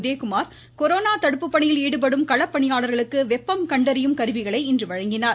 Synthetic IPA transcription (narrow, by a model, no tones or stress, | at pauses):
ðeːkʊmaːɾ | kɔɾoːnaːt̪ɐɽɯpːɯpːɐɳɪjɪliːɽɯp̬ɐɽɯmkɐɭɐpːɐɳɪjaːɭɐɾɣɐɭɯkːɯʋɛpːɐmkɐɳɖɐɾɪjɯmkɐɾɯʋɪɣɐɭɐɪɪndrɯʋɐɻɐŋɡɪnaːɾ